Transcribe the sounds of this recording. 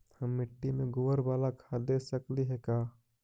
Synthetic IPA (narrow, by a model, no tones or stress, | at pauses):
həmːɪʈːimẽɡoːəɾbaːlakʰad̪eːsəkliɦɛkaː